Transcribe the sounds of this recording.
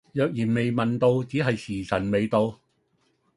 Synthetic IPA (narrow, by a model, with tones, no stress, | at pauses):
jœː˨k̚jiː˨˩nme˨jmɐ˨nt̪o˧wt͡siː˨˥ɦɐ˨jsiː˨˩sɐ˨˩nme˨jt̪o˧w